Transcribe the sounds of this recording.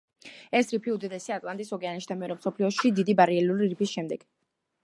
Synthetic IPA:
ɛsɾipʰiud̪id̪ɛsiat̪ʼlˠant̪ʼisɔɡɛaniʃd̪ʰamɛɔɾɔmsɔpʰliɔʃid̪id̪ibaɾiɛluɾiɾipʰisʃɛmd̪ɛɡ̥

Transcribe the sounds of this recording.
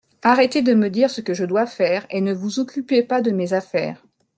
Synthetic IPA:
aʁɛt̪ed̪əməd̪iʁsəkəʒəd̪wafɛːʁenəvuzɔkʲypepad̪əmezafɛ̰ːʁ

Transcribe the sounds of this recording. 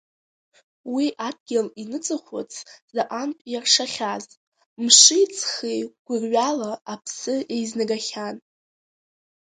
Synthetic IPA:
wiʔad̚ɡʲɪlinɨt͡sʼɨχʷʊ̰t͡sʰzaʔanpʼjarʂaχʲaz | mʂɨjt͡sʰχejɡ̥ʷʊrɥalaapʰsɨʔe̞jznaɡaχʲan

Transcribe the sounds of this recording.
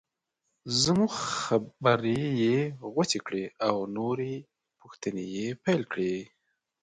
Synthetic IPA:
zmuxxabəɾejeɣat͡sekɽeawnoɾe | puxt̪ənejepajlkɽe

